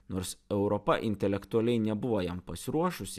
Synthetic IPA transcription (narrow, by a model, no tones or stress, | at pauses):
noːɾsɛʊɾɔpɐʔɪ̰nʲt̪ʲɛlʲɛkt̪ʊɐlʲɛɪnʲɛbʊʋojɛmpɐsʲɪɾuɔʃʊsʲɪ